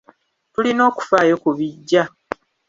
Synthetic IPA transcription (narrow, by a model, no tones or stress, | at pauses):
tulino̞ːku̥faːjo̞kuβiɟːa